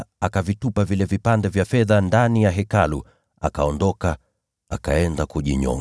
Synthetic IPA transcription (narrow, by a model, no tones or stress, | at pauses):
akavitupavilɛvipandɛvjafɛðandanijaɦɛkalu | a̰kaɔndɔka | akaɛndakuʄiɲɔ̰ŋ